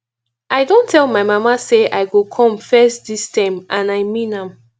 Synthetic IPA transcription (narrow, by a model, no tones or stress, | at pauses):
aɪdõntʰɛlˠmaɪmamaseʔaɪɡokʰɔ̃mfɛstdistãɪ̃mʔãnaɪmĩnãm